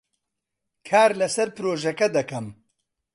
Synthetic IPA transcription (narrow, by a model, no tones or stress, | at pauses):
kʰaːɾlɐsɐɾpɨɾoːʒɐkɐd̪ɐkɐm